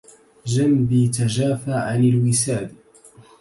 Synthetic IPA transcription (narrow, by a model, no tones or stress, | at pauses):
d͡ʒambiːt̪ad͡ʒaːfaːʕanalwɪsaːd̪